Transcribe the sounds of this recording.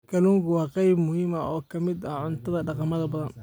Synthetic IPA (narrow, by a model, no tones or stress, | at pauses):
kʰɐluːŋkʰʊwɑːqɑjbmʊhiːmɐʔɔːkʰɐmɪd̪ɐʕʊnt̪ʰɐðɐɖɑqɑmɐðɐbɐðɐn